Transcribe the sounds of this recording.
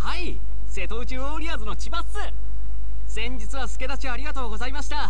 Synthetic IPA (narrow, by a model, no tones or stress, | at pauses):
hai | se̞t̪o̞ɯ̟t͡ɕɨoɾʲiazɨno̞t͡ɕibasɨ | sẽ̞ɲ̟d͡ʑit͡sɨβasɨ̥ke̞d̪at͡ɕiaɾʲiɡat̪o̞ːɡo̞zaimaɕi̥t̪a